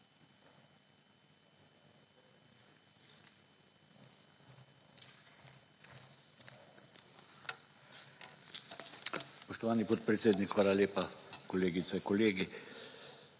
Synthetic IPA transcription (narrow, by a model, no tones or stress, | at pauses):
spɔʃt̪ɔʋaːnipɔt̪̚pɾɛt̪seːd̪nikxʋaːlaleːpakoleːɡit̪sɛkoleːɡi